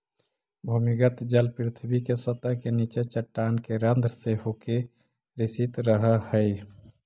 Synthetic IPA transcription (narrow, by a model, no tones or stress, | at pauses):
bʱumiɡət̪d͡ʒəlpɾɪt̪ʰbikesət̪əɦkenit͡ʃet͡ʃəʈːankeɾənd̪ɾəsehoke | ɾisit̪ɾəɦəhəj